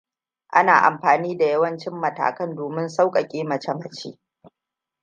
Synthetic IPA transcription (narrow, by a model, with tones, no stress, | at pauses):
ʔa˦na̰ː˨ʔa̰˨mɸaː˨niː˦da˨jɐ˦wɐ˦nt͡ʃɪ˦mːɐ˨ta̰ː˨kɐ˦ndoː˨mɪ˦nsa˦wkʼɐ˨kʲʼeː˦mɐ˨t͡ʃe˦mɐ˨t͡ʃḛː˦